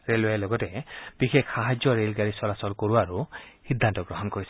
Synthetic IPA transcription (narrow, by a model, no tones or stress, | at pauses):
ɹeloalɔɡɔtɛb̥ixekːaɦad͡ʒjɔɹelɡaɹisɔlasɔlkoɹuaɹuhid̪ʱːantɔɡɹɔɦɔnkoɹisɛ